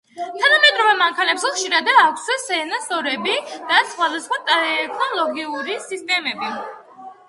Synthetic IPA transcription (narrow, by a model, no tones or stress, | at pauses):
t̪ʰanamɛd̪ɾɔvɛmaŋkʰanɛpszɛχʃiɾad̪aːkʷʰssɛnasɔɾɛbid̪̥asχwad̪asχwat̪ʼɛɾɛt̪ʰnɔlˠɔɡiuɾisist̪ʼɛmɛbi